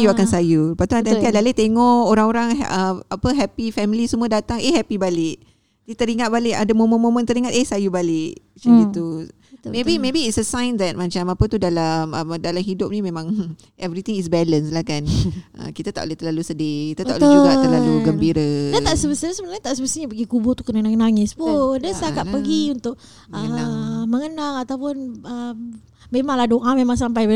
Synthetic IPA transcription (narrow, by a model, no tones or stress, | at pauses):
juakansajupaʔt̪uant̪ant̪iadaalet̪eŋɔʔoɾaŋoɾaŋ̰əapəɦɛpifɛmilisəmuadat̪aŋʔeɦɛpibalɪʔ | dit̪əɾiŋat̪̚balɪʔadamomomomə̃nt̪əɾiŋat̪ehsajubalɪʔt͡ʃiit̪u | mebimebiːtsəsãjnd̪ɛt̪̚mãt͡ʃamapət̪udalamədalamhidʊp̚nimẽmãŋ | ɛvɾit̪iŋisbɛlənslahkanʔə̰kit̪at̪aʔleht̪ərlalusədɪkit̪at̪aʔld͡ʒuɡat̪əɾlaluɡəmbiɾədaaʔsəbəsaɲasəbənaɲat̪aʔsəbəsaɲapəɡikubɔt̪u̥kənənaŋnaŋɪspudəst̪akaʔ̪̚pəɡiunt̪ʊʔ̚ | əaŋməŋənaŋat̪awpʊnəm | memaŋladoʔamemãŋs̬ampaj